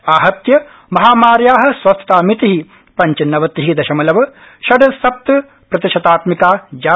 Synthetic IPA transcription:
aːɦɐt̪jɐ | mɐɦaːmaːɾjaːɦɐ̆sʋɐst̪t̪aːmit̪iɦi | pɐɲt͡ʃɐnɐʋɐt̪iɦid̪ɐʃɐmɐlɐʋɐ | ʃɐɖɐsɐp̚t̪ɐ | pɾɐt̪iʃɐt̪aːt̪mikaːd͡ʒaː

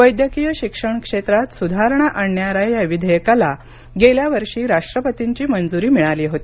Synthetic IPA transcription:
ʋəjd̪jəkijəɕikʂəɳkʂet̪ɾat̪sud̪ʱaɾɳaʔaɳjaɾajjaʋid̪ʱəjəkala | ɡeljaʋəɾʂiːɾaʂʈɾəpət̪iɲt͡ɕiːmənd͡zuɾiːmiɭaliːɦot̪ii

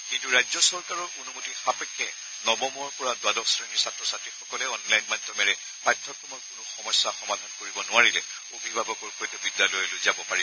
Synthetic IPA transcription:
kintuɹajzɔsɔɹkaɹɔɹonumutixapɛkʰːɛ | nɔbɔmɔɹpɔɹadwadɔksɹeniɹsatɹɔsatɹixɔkɔlɛɔnlajnmajdʰʱɔmɛɹɛ | pajtʰːɔkɹɔmɔɹkʊnʊxɔmɔjsːaxɔmad̪ʱankoɹibɔnʊaɹilɛ | obʱibʱabɔkɔɹxɔjtɔbidːalɔjɛlozabɔpaɹi

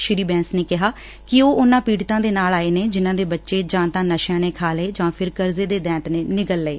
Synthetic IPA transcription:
ʃɪɾiːbɛ̃ːnsneːkɪɦaː | kɪoːʊnãːpiːɽt̪ãːd̪eːnaːlaːeːneːd͡ʒɪnãːd̪eːbətːʃeːd͡ʒãːt̪ãːnəʃjãːneːkʰaːleːd͡ʒãːpʰɪɾkəɾzeːd̪eːd̪ɛ̃ːt̪neːnɪkəlːeː

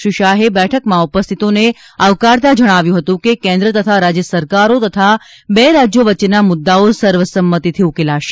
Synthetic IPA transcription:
iʃaɦebɛʈʰəkmãupəst̪ʰit̪one | əʋkaɽt̪ad͡ʒəɽ̃aʋjũɦət̪ũkekẽnd̪ɾət̪ət̪ʰaɾad͡ʒjəsəɾkaɾot̪ət̪ʰa | beɾad͡ʒjoʋət͡ʃːenamʊd̪ːaosəɾʋəsəmːət̪it̪ʰiukelaʃe̥

